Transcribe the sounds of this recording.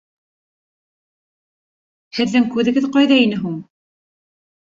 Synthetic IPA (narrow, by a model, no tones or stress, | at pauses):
hɘ̆ðːɘŋkʉðɘ̆ɡɘðqɑjðɑinɘɦuɴ